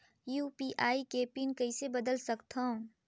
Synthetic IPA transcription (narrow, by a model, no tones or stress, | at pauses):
juːpiʔaːikeːpinkɐɪsebɐd̪əlsəkt̪ʰɦã